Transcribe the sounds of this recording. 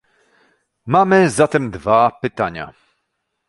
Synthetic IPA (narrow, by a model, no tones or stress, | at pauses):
mamɘzat̪ɛmd̪vapɘt̪aɲa̰